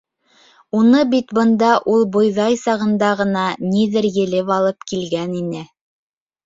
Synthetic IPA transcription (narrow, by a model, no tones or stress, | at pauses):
unɤbit̪bɤ̆nd̪ɑʔulˠbŏjðɑjsɑʁɤ̆nd̪ɑʁɤ̆nɑniðɘɾjɘ̆lɘpɑlˠɤpkilɡæninɘ